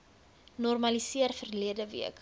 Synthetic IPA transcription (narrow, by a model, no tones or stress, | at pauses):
nɔrmɐlisiərfərliədəvḭək